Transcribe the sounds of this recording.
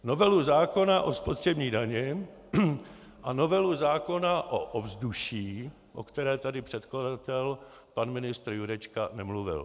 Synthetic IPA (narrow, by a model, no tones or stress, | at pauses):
novɛluzaːko̞naʔo̞spot̪r̝̥ɛbɲiːdaɲɛ | ʔano̞vɛluzaːko̞naʔoʔovzduʃiː | ʔo̞̰kt̪ɛɾɛːt̪adɪpr̥ɛt̪kladat̪ɛl | panmɪnɪst̪ɾjuɾɛt͡ʃkanɛmluvɪ̰l